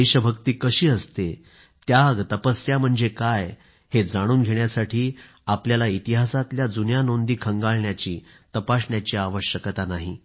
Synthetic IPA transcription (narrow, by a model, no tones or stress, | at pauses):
eɕəbʱəkt̪iːkəɕiːəst̪e | t̪jaɡt̪əpəsjam̤əɳd͡zekaj | hed͡zaɽ̃uːnɡʱeɳjasaʈʰiː | apljalait̪iɦasat̪ljad͡zunjanond̪iːkʰəŋɡaɭɳjat͡ɕiː | t̪əpasɳjat͡ɕiaʋəɕjəkt̪anaɦḭ